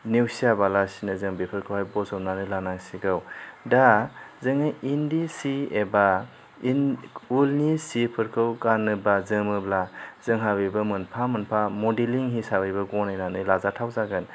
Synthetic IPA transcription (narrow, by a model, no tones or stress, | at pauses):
newsiabalasinɯzɯŋbepʰɯɾkʰɯwhajbɔzɔwnanɯlanaŋsiɡɯwdazɯŋajʔindisieba | ulnisipʰɯɾkʰɯwɡanɯbazɯmɯblazɯŋɦabijbɐmɯnpʰamɯnpʰamɔdeliŋɦisabɯjbɐɡɔnajnanɯlazatʰawzaɡɯn